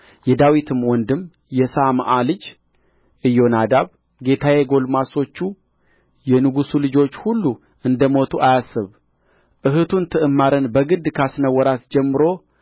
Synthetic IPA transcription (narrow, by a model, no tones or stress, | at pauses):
jɛd̪awit̪ʰɨmwɔnd̪ɨm | jɛsaməʔalɨd͡ʒ | ʔɨjːo̞nad̪aβ | ɡe̞t̪ʰajeɡo̞lmaso̞t͡ʃːu | jɛnɨɡusulɨd͡ʒo̞t͡ʃːhulːu | ɨnd̪əmo̞t̪ʰuʔajasːɨβ | ʔɨɦɨt̪ʰunt̪ʰɨʔɨmːaɾɨnbəɡɨd̪kʰasɨnəwɔɾat̪d͡ʒɛmːɨɾo̞